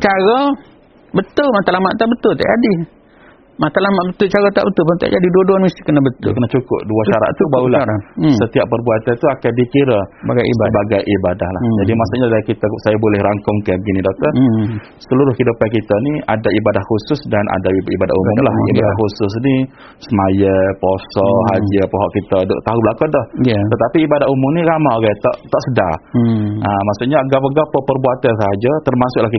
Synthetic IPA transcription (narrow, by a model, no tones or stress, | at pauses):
t͡ʃaɾɔ | bət̪ʊlmat̪alamaʔt̪aʔbət̪ʊlt̪aʔd͡ʒadi | mat̪alamaʔbət̪ʊlt͡ʃaɾɔt̪a̰ʔbət̪ʊlpant̪a̰ʔd͡ʒadiduaduanmisi̥kənabət̪ʊ̰lkənat͡ʃukʊ̰p̚duaʃaɾa̰ʔt̪ubaulasət̪iaʔ̚pərbuat̪ant̪uakandikiɾəaɡasəbaɡajʔibadahlahd͡ʒadimasuʔɲadakit̪asajabolɛhɾaŋkʊŋkabəɡinĩdok̚t̪ə | səluɾʊhkidupakit̪aniadaibadahxusʊsdanʔa̰daibada̰ʔuʊmlahibadaxusʊs̬ni | səmajəposɔɦad͡ʒəpəɦɔʔkit̪ado̰ʔt̪aɦublakadɔht̪ət̪apiːbadaumʊmniɾamaɡat̪ɔ̰ʔt̪ɔʔsəda | ʔəmasuʔɲaɡap̬əɡapapərbuat̪ansəɦad͡ʒat̪ərmasʊʔlahki